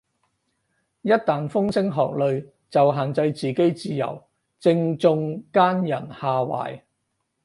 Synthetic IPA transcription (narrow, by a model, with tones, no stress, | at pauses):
jɐ˥t̚t̪aː˨nfʊ˥ŋsɪ˥ŋɦɔː˨k̚lɵ˨ɥ | t͡sɐ˨wɦaː˨nt͡sɐ˧jt͡siː˨ke˥jt͡siː˧jɐ̰˨˩w | t͡sɪ˧ŋt͡sʊ˧ŋkaː˥njɐ˨˩nhaː˨˧wa̰ː˨˩j